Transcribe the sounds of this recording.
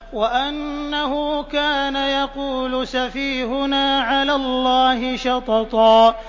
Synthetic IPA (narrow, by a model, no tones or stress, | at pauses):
waʔanːahʊkaːnajɑquːlʊsafiːhʊnaːʕalaːlːɑːhɪʃɑt̪ˤɑt̪ˤɑː